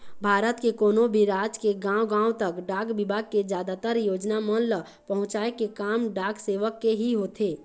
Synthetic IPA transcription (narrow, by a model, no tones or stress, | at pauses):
bʱaːɾət̪kekoːnobʱiɾaːd͡ʒkeɡãːwɡãːũt̪əkɖaːɡbɪbʱaɡ̚ked͡ʒjaːd̪at̪əɾjoːd͡ʒnamənlə | pəɦʊ̃t͡ʃaːekekaːmɖaːɡseːʋəkːeɦiɦoːt̪ʰe